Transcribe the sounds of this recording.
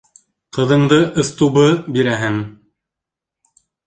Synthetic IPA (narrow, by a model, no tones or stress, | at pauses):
qɤ̆ðɤ̆ɴd̪ɤʔŏθt̪uβɤbiɾæɦɘŋ